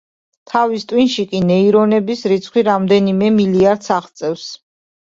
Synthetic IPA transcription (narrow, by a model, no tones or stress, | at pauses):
t̪ʰavist̪ʼwinʃikʼinɛiɾɔnɛbisɾit̪sʰχʰwiɾamd̪ɛnimɛmiliaɾd̪saχt̪sʼɛfs